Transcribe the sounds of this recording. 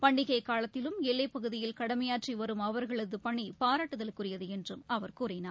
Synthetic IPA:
pɐɳɖɪɣɐɪkaːlɐt̪ːɪlɯmɛlːɐɪpɐɣɯðɪjɪlkɐɽɐmɐjaːʈriʋɐɾɯmɐʋɐɾɣɐɭɐðɯpɐɳːipaːɾaːʈːɯðɐlkʊrɪjɐðɯɛndrɯmɐʋɐɾkuːɾɐɪnaːɾ

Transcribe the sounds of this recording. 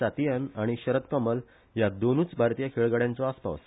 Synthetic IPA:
at̪ijanaɽ̃iɕəɾət̪kəməl | jad̪onuːt͡sbʱaɾt̪ijakʰeɭɡaɽjãnt͡sɔaspa̰s

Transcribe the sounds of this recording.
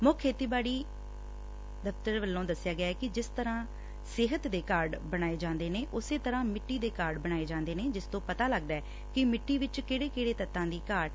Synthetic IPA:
mʊkkʰːeːt̪iːbaːɽiː | d̪əft̪əɾʋəlːõːd̪əsːjaːɡɪjaːɛːkɪd͡ʒɪst̪əɾãː | sɪɦət̪d̪eːkaːɾɖbəɽ̃aːeːd͡ʒãːnd̪eːneːʔʊseːt̪əɾãːmɪʈːiːd̪eːkaːɾɖbəɽ̃aːeːd͡ʒãːnd̪eːneːd͡ʒɪst̪õːpət̪aːləɡd̪aːɛː | kɪmɪʈːiːʋɪt͡ʃkeːɽeːkeːɽeːt̪ət̪ːãːd̪iːkaːɾɖ

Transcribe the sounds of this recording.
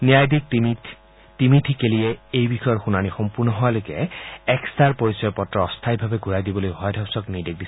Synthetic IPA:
niajdik̚ | timitʰikeliɛejbʱixɔjɔtxunanixɔmpuɹnɔɦɔalojkɛɛkst̪aɹpoɹisɔjɔpɔtːɹɔɔst̪ʰajbʱabɛɡuɹajdibɔlojɦɔjɔdʱɔwsɔknijdek̚dis

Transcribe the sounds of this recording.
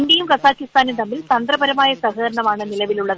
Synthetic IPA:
ɳɖjɐjumkɐsaːkːist̪aːnit̪ɐmːilt̪ɐnd̪rɐbɐɾɐmaːjɐsɐɦɐðɾɐɳɐmaːɳɨnilɐʋiluɭːɐðɨ

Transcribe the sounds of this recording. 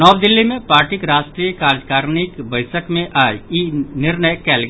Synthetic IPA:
nɔːʋd̪ɪlːimẽpaːɾʈɪkɾaːʃʈɾiːjəkaːd͡ʒkaːɾnɪkbəɪsəkmẽʔaːjinɪɾnəjkɛːlɡ

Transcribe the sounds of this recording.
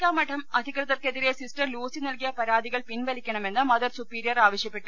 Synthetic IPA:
kːaːmɐʈʰːɐmɐd̪ʱikrɐðɐrkeðiɾesisʈɐrluːsinɐlkijɐpɐɾaːd̪ʱiɣɐɭpinʋɐlikʲːɐɳɐme̞nːɨmɐðɐrsupiːɾijɐraːʋɐɕjɐpːeʈːu

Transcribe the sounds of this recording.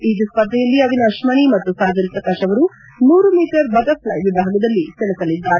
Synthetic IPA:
iːd͡ʒ̪ispɐd̪ʱːɐjɐlːiɐʋinɐɐʂmɐɳimɐt̪ːusaːd͡ʒɐnipɾɐkaːʃɐʋɐɾu | nuːɾumiːʈɐɾbɐɡɐpʰlɐjʋibʱaːɡɐd̪ɐlːisɛlɐsɐlid̪ːaːɾ

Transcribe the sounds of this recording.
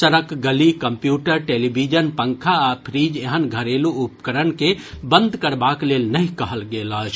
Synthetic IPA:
səɾəkɡəlikəmpjuːʈəɾʈeːlibʱid͡ʒənpəŋkʰaːpʰɾiːd͡ʒeɦənɡʱəɾeluupkəɾənke | bənd̪ʱkəɾbakleːlnəɦĩkəɦəlɡeːlət͡ʃʰ

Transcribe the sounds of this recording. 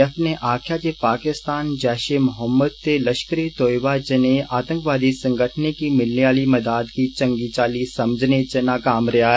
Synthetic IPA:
ɐpneʔaːkʰjat͡ʃepaːkɪst̪aːnd͡ʒɛːʃemʊɦəmːəd̪̚t̪elɐʃkəɾijt̪oːjʋad͡ʒɐneaːt̪ə̃ŋkʋaːd̪isɐ̃ŋɡəʈʰnikimɪlneʋaːlimɐd̪aːd̪kit͡ʃɐ̃ŋɡit͡ʃaːlisɐməd͡ʒʱnet͡ʃenakaːmɾɐa

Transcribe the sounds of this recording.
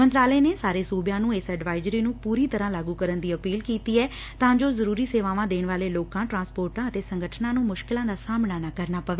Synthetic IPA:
mənt̪ɾaːleːneːsaːɾeːsuːbjãːnũːɪsɛːɖʋaːɪzɾiːnũːpuːɾiːt̪əɾãːlaːɡuːkəɾənd̪iːəpiːlkiːt̪iːɛː | t̪ãːd͡ʒoːzəɾuːɾiːseːʋaːʋãːd̪eːnʋaːleːloːkãːʈɾãːspoːɾʈãːət̪eːsəŋɡʱəʈʰnãːnũːmʊʃkɪlãːd̪aːsaːmnaːnakəɾnaːpəʋeː

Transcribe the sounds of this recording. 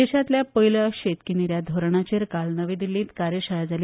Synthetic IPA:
eɕat̪ljapəɦiləɕet̪kiniɾjad̪ʱoɾɳat͡ɕeɾkalnəʋed̪ilːĩːt̪kaɾjəɕəjad͡zal

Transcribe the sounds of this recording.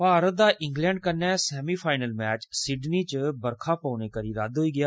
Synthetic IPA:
paːɾət̪̚d̪aːʔɪ̃ŋɡlɛ̃ːɳɖkənːɛːsɛːmiːpʰaːɪnəlmɛːt͡ʃsɪɖniːt͡ʃəbəɾkʰaːpaːneːkəɾiːɾəd̪ɦoːiːɡɪjaː

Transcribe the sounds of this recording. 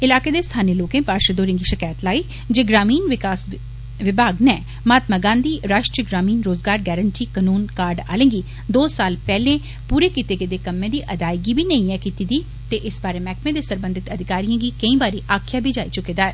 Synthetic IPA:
ɪlaːkeːd̪eːst̪ʰaːniəloːkẽːpaːɾʃəd̪oːɾẽŋɡiʃəkaːjət̪laːiː | d͡ʒeːɡɾaːmiːnʋɪkaːs | ʋɪbʱaːɡnɛː | maːt̪maːɡãːnd̪iːɾaːʃʈɾijəɡɾaːmiːnɾoːzɡaːɾɡɛːɾənʈiːkənuːnkaːɾɖa̰ːlẽːɡiː | d̪oːsaːlpɛːlẽː | puːɾeːkɪt̪eːɡed̪eːkəmẽːd̪iːʔɐd̪aːɪɡibʱiːnɐĩɛkit̪id̪iː | t̪eʔɪsbaːɾeːmɛːkmẽd̪eːsəɾbə̃nd̪ɪt̪əd̪ʱɪkaːɾijãɡiːkəĩːbaːɾiːʔaːkʰjaːbʱiːd͡ʒaːit͡ʃʊkeːd̪aːɛː

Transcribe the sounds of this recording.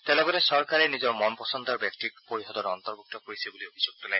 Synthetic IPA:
t̪ɛlɔɡɔɾesɔɾkaɾenid͡ʒɔɾmɔnpɔsɔnt̪ɔɾbɛk̚ʈikpoɾiɦɔd̪ɔɾɔnt̪ɔɾbuk̚t̪ɔkoɾisʰibuliobʱid͡ʑuɡ̚t̪ula

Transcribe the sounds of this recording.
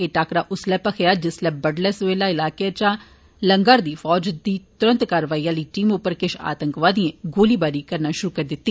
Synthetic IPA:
eːʈaːkɾaːʔʊslɛːpəkʰejaːd͡ʒɪslɛːbəɖlɛːsʋeːlaːɪlaːket͡ʃãː | ləŋɡaːɾd̪iːfʰɔːd͡ʒd̪iːt̪ʊɾə̃nt̪kaːɾəʋaːiːãːliːʈiːmʊpːəɾkɪʃa̰ːt̪əŋkʋaːd̪iẽɡoːliːbaːɾiːkəɾnaːʃʊɾuːkəɾd̪ɪt̪ːiː

